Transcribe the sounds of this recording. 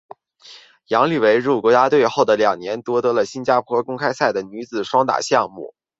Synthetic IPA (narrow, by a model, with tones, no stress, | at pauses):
jɑ˧˥ŋly˨˩we˧˥ɪɻu˥˩kwɔ˧˥t͡ɕja˥t̪we˥˧ɪxo˥˩ʊd̪ə˩ljɑ˨˩ŋnjɛ˧˥nt̪wɔ˥t̪ɤ˧˥lə˨ɕi˥nt͡ɕja˥pʰwɔ˥kʊ˥ŋkʰa˥ɪsa˥˩ɪd̪ə˩ny˧˥t͡sɹ̩˨˩ʂwɑ˥ŋt̪a̰˨˩ɕjɑ˥˧ŋmṵ˥˩